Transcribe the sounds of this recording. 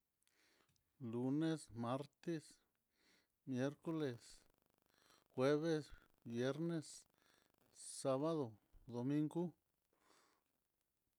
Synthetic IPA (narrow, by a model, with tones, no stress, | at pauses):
lu˧ne˦sma˦ɾt̪e˦s | mje˦ɾko˦le˨s | xwe˦βe˦s | bje˦ɾne˦s | a˦βa˦ðo˨d̪o˨mĩ˦ŋɡu˦